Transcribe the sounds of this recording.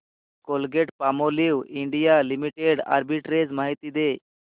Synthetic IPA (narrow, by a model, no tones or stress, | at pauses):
kolɡeʈpamoliwiɳɖijalimiʈeɽa̰ɾbiʈɾed͡zmaɦit̪id̪e